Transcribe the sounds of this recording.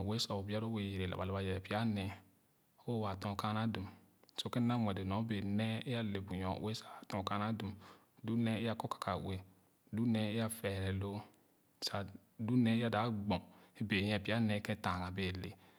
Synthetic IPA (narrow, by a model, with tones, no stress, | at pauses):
we˦sa˨o˨bi˦a˦ɾo˦we˨je˨ɾe˨la̰˨ba˨la˨ba˨jɛ˨ɛ˨pi˦a˦nɛ˨ | o˦wa˨tɔ̃˦˨ka˦na˦du˨m | so˦ke˦na˦mʷ˨ɛ˨de˨nɔ̃˨˦be˨nɛ˦e˦ja˦le˨bu˨jɔ̰˨we˦sa˨tɔ̃˦˨ka˦na˦du˨m | du˦nɛ˦e˦ja˦kɔ˦kḁ˨kʰa˨we˨ | du˦nɛ˦e˦ja˦fɛ˨ɾɛ˨lo˦ | sa˨ | du˦nɛ˦ja˦da˨˦ɡ͡bɔ̃˨e˦be˨jɛ˨pi˦a˦nɛ˨˦kɛ˦tã˨ŋa˨be˨lḛ˨